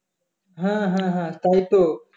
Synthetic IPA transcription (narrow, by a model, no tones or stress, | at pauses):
ɦãɦãɦãt̪ait̪o